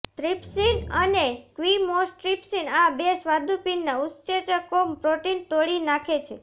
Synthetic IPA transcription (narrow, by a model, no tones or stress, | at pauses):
t̪ɾipsinənekʋimosʈɾipsinabesʋad̪ʱupinːaʊst͡ʃet͡ʃəkompɾoʈint̪oɽinakʰet͡ʃʰe